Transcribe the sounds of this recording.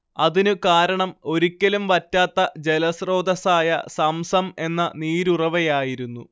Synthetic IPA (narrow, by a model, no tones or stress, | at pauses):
ɐðinɨkaːɾɐɳɐmo̞ɾukʲːɐlumʋɐtːaːt̪ːɐd͡ʑe̞lɐsro̞ːd̪ɐsaːjɐ̰sɐmsɐme̞nːɐ̰niːɾurɐʋɐjaːjiɾunːu